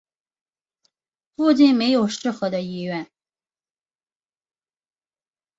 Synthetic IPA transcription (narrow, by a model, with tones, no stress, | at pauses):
fu˥˧t͡ɕi˥˩nme˧˥ɪjo˨˩ʊʂɻ̩˥˩xɤ˧˥d̪ə˧i˥˧ɥɛ˥˩n